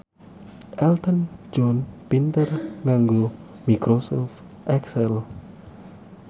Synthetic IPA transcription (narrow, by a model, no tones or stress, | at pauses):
ʔɛlt̪ənd͡ʒɔnpint̪ərŋaŋɡo | mikɾosɔf | ʔɛksɛl